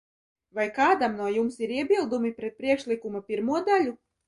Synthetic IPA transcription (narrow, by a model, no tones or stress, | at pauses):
vajkaːd̪amnuɔjumsiɾiɛbilˠd̪umipɾɛt̪̚pɾiɛkʃlˠikumapʲiɾmuɔd̪alʲu